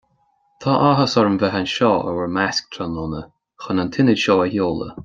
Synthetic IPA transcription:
t̪ʰaʔaɦəsɔɹəmvɛɦanʃɔːʔə̰wəɹmask̚t̪ʰɾanɔnə | xɔnant̪ʰɪnədʃɔːəhjoːlə̰

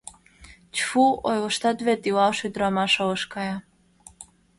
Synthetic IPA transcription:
t͡ɕfuojlɤ̆ʃt̪ɑt̪βet̪iwɑlʃojd̪ɾɑmɑʃoɤʃkɑjɑ

